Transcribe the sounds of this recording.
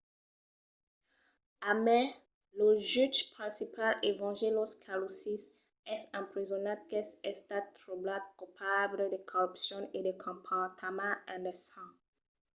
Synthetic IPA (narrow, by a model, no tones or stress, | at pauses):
amɛ̃ | loʒytpχɛ̃sipalevɑ̃ʒeloskʰalosis | ɛsɛ̃pɾizɔnat̪̚kɛsɛst̪at̪̚tʁublad̪kupʰabləd̪ekʰɔʁypsjɔ̃ned̪ekʰɔ̃pʰat̪ʰamãɛ̃ndɛsɑ̃